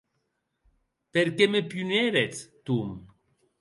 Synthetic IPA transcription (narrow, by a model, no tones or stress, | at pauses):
peɾkemepjuneɾet͡st̪um